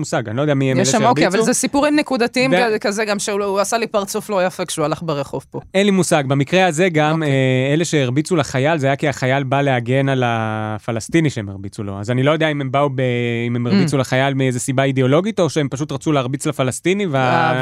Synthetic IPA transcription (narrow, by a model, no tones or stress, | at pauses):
musaɡanilod̪eamiemjeleokavalzesipuʁimnekud̪at̪iimvkazeɡamʃeuasalipaʁt͡suflojafekʃeualaχbeʁeχo̞vpoenlimusaɡ̚bamikʁeaze̞ɡameeleʃeiʁbit͡sulaχajalzeajakiaχajalbale̞aɡe̞nalafalast̪iniʃeemeʁbit͡sulo̞̰a̰zanilo̞jo̞d̪eaimembaubeimemeʁbit͡sulaχajalmiezesibaid̪eo̞lo̞ɡit̪o̞ʃeempaʃ̬ut̪ʁat͡suleaʁbit͡slafalast̪inivea